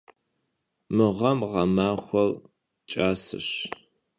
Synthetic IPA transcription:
mɨʁɐmʁɐmaːxʷɔr | t͡ʃʼaːsɨ̰ɕ

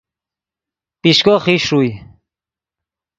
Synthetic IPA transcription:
piʃkɔχiʃuj

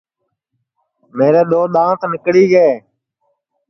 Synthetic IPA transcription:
meːɾeːɗ̪oːɗ̪ãːt̪nɪkɽiːɡeː

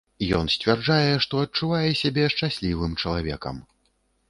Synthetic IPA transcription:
jɔ̰nsʲt͡sʲvʲard͡ʐajɛʂt̪ɔɐt͡ʂuvajɛsʲabʲɛʂt͡ʂasʲlʲivɨmt͡ʂɐlˠavʲɛ̰kɐ̰m

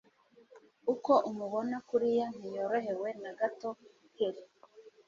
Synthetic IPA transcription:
uko̞ʔumuβonakuɾijan̥ijoɾoɦe̞we̞naɡato̞ | kiɾi

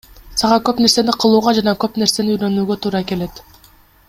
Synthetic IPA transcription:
sɑʁɑkø̞pne̞ɾse̞niqʰɯlˠuːʁɑd͡ʒɑnɑkø̞pne̞ɾse̞niyjɾø̞nyːɡø̞t̪ʰuːɾɑke̞le̞t̪

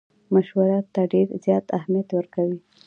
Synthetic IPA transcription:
maʃwaɾɑt̪ːaɖeɾzjɑt̪ahmijat̪wəɾkawi

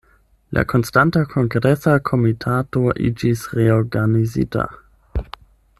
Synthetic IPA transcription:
lʔa̰kʰo̞nstantakʰoŋɡɾesakʰo̞mitʰatoʔḭd͡ʒisɾeoɾɡanizḭta̰

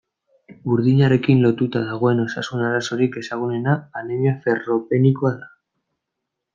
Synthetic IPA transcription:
uɾðiɲaɾe̞kinlo̞t̪ut̪aðaɣ̞o̞e̞no̞sasunaɾaso̞ɾike̞saɣ̞une̞naːneɲefe̞ro̞pe̞nikoaða

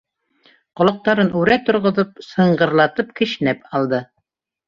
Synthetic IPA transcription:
qŏlˠɤ̆q̚t̪ɑɾɤnʉɾæt̪ŏɾʁŏðɤp̚sɤ̆ɴɢɤ̆ɾlˠɑt̪ɤp̚kɘ̆ʃnæpɑlˠd̪ɤ

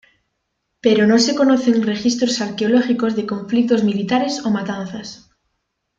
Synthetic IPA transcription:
peɾonõse̞ko̞noθe̞ŋre̞xist̪ɾosaɾkeoloxiko̞zðe̞kõ̞ɱflik̚t̪o̞zmilit̪aɾe̞somat̪an̟θas

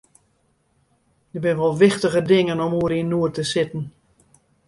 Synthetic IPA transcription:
dəbɪnəʋɔlˠʋɪxtəɣədɪŋənɔmuəɾinːuərtəsɪtn̩

